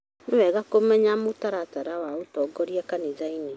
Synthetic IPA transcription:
newɛɣakomɛɲamotaɾataɾawaotɔɡɔɾiakanizaini

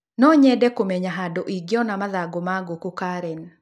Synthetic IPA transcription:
nɔɲɛdɛkomɛɲaɦadoʔiɡjɔnamaðaɡomaɡokukaɾɛn

